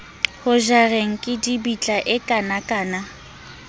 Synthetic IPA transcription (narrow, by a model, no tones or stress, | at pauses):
hʊʒareŋ̩kʼɪdibit͡ɬʼaʔɪkʼanakʼaːna